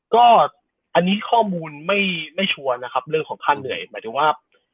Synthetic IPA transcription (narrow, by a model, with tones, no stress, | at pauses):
kɔː˥˩ | ʔa˧nːiː˦˥kʰɔː˥˩muː˧nma˥˩jma˥˩jt͡ɕʰu˧ɐna˦˥kʰa˦˥p̚ɾɯ˥˩əŋʰɔː˩˦ŋkʰa˥˩nːɯ˨˩˦əjmaː˨˦jt̪ʰɯː˨˦waː˥˩